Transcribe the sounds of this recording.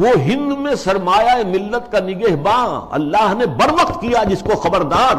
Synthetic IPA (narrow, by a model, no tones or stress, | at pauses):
ʋoɦɪ̃nd̪mẽsɐɾmaːjaemɪlːət̪kanɪɡeːɦbãːɐ̰lːaːɦnebɐɾʋəq̚t̪kijad͡ʒɪskoxɐbəɾd̪aːɾ